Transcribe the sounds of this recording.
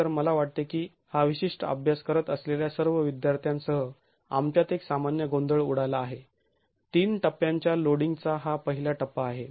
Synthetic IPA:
əɾməlaʋaʈ̚t̪ekiː | haʋiɕiʂʈəə̰bʱjaskəɾət̪əsleljasəɾʋəʋid̪jaɾt̪ʰjãnsəɦə | a̰mt͡ɕjat̪eksamanjəɡond̪əɭuɽajlaːɦe | t̪iːnʈəpjãɲt͡ɕjaloɽiŋɡt͡saɦapəɦilaʈəpːaːɦe

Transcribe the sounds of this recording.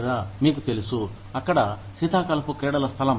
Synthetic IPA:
ɾamiːk̬ut̪e̞lusu | ɐkːɐɽɐsid̪ʱaːkɐlɐpukɾɛːɽɐlɐst̪ʰɐlɐm

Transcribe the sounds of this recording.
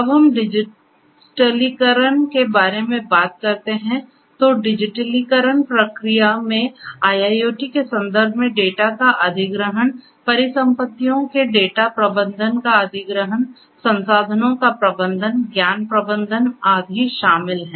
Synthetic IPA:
ɐbɦɐmɖɪd͡ʒɪ | ʈəlikəɾəɳkebaːɾemẽbaːt̪̚kɐɾt̪eɦɛ̃ | t̪oɖɪd͡ʒɪʈəlikəɾəɳpɾəkɾijamẽaːjaːjoːʈikesɐ̃nd̪əɾbʱmẽɖeːʈakaʔɐd̪ʱɪɡɾəɦən | pɐɾɪsə̃mpət̪ːijõkeɖeːʈapɾɐbə̃nd̪ʱənkaɐd̪ʱɪɡɾəɦən | sɐ̃nsaːd̪ʱənõkapɾɐbə̃nd̪ʱənɡjaːnpɾəbə̃nd̪ʱənaːɡ̪ʱiʃaːmɪlɦɛ̃ː

